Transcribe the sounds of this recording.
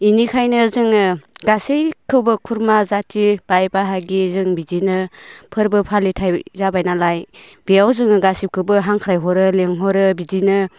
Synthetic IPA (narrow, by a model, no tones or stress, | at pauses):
inikʰajnɯzɯŋɯɡasejkʰɯwbɯkʰuɾmazatʰib̥ajbaɦaɡizɯŋbizinɯpʰɯɾbɯpʰalitʰajzabajnalaj | b̥ejawzɯŋɯɡasip̚kʰɯwbɯɦaŋkʰɾajɦɔɾɯleŋɦɔɾɯbizinɯ